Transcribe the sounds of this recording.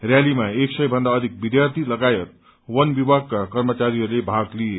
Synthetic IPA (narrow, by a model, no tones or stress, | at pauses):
rjalimaeksʌjbʱʌnd̪aʌd̪ʱik̚bid̪jart̪ʰilʌɡajʌt̪̚ | wʌnbibʱaɡkakʌrmʌt͡saɾiɦʌɾulebʱaɡlije